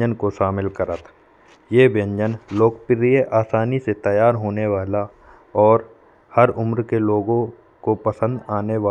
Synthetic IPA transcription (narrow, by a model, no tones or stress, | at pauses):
d͡ʒənkoʃaːmɪlkəɾət̪ʰ | jeːbjə̃ɲd͡ʒənloːkpɪɾijeʔaːsaːniset̪ɐjaːɾɦoːneʋaːla | ɔːɾ | hɐɾʊmɾkeloːɡõ | kopɐsə̃nd̪aːneʋaː